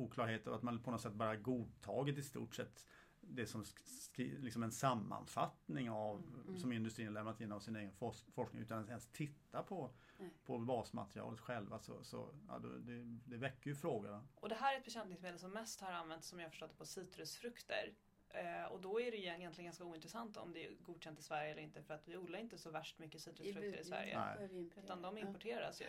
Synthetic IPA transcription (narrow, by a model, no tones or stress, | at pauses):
uːkʰlɑːɾɦeːt̪avat̪manpʰɔnɔt̪sɛt̪̚ːbɑːɾahaɾɡuːd̪̚t̪ʰɑːɡɪt̪ɪst̪ṵːʈsɛt̪ː | d̪ɛsɔm | lɪksɔmɛnsamːa̰nfa̰t̪nɪŋavsɔmɪnd̪ɵst̪ɾiːnalɛmnat̪ɪnːavsɪneːɡənfɔfɔʂknɪ̰ŋʉ̟ːt̪anɛnst̪ʰɪt̪ːapʰɔ | pʰɔbɑːsma̰t̪ɾɪɑ̰ːlət̪ɧɛlvasɔ̰sɔ̰jɑ̰ːd̪ɛ̰d̪ɛd̪ɛvɛkːəɾjɵfɾoːɡad̪aʔɔd̪ɛɦæːɾæɾɛt̪bɛɕɛnt̪nɪŋsmeːd̪ɛlsɔmːɛst̪haɾanvɛnt̪sɔmjahafœ̥ʂʈɔt̪ːə̥pʰɔsiːt̪ɾɵsfɾɵkt̪ə̰ɾ | ɔd̪ɔæɖɛjʏjɛnlɪənŋɡanskauːɪnt̪ɾɛsant̪ɔ̰md̪ɛæ̰ɡuːd̪ɕɛnt̪ɪsvæɾjəɛlːɾɪnt̪əfœɾat̪vɪuːd̪laɾɪnt̪əsɔvæʂʈmʏkːəsiːt̪ɾəsfɾɵkkt̪əɾɪsvæ̰ɾjjə̰ɛ̰ʉːt̪and̪ɔmɪmpɔʈʰeːɾa̰sjɵ̰